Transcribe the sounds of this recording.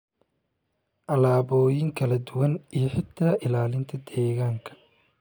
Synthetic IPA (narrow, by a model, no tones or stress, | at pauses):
ʔɐlaːβɔːjɪŋkʰɐlɐd̪ʊwɐnijɞħɪt̪ʰːaːʔɪlaːlɪnt̪ʰɐd̪ɛːɣaːŋkʰɐ̥